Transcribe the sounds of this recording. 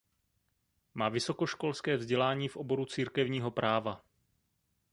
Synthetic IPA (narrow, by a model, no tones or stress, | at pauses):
maːvɪso̞ko̞ʃko̞lskɛːvzɟɛlaːɲiːfʔo̞bo̞ɾut͡siːɾkɛvɲiːɦo̞pɾʔaːva